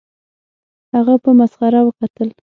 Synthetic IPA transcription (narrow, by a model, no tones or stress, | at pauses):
haɣapəmasɣaɾawəkat̪əl